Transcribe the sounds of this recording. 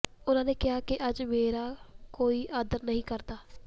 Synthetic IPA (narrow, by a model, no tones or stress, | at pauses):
ʊnãːneːkɪɦaːkeʔəd͡ʒmeːɾaːkoːiːʔaːd̪əɾnəɦĩːkəɾt̪aː